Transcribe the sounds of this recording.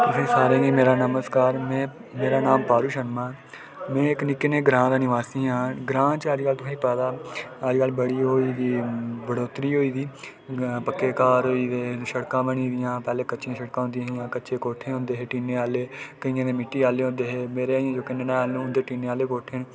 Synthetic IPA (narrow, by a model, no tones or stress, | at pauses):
t̪ʊsẽːsaːɾẽːɡiːmeːɾaːnəməskaːɾmɛ̃ː | meːɾaːnaːmpaːɾuːʃənmaː | mɛ̃ːɪknɪkːeːneːɡɾãːd̪aːnɪʋaːsiːɦãːɡɾãːt͡ʃaːd͡ʒkaːlt̪ʊsʰãĩːpɛːd̪aːəd͡ʒkəlbəɽiːɦoːiːd̪iːbəɽoːt̪ɾiːɦoːiːd̪iː | pəkːeːkaːɾɦoːiːd̪eːʃəɽkãːbəɳĩːd̪ɪjãːpɛːleːkəːt͡ʃʃãːʃəɽkãːɦʊ̃nd̪ɪjãːɦɪjãːkəːʃeːkoːʈʰːeːɦʊ̃nd̪eːɦeːʈiːneːaːleːkəiːãːd̪eːmɪʈːiːaːleːɦõːnd̪eːɦeːmeːɾeːiãːd͡ʒoːkɪnenãaːlːnũːʊnd̪eːʈiːneːaːleːkoːʈʰẽː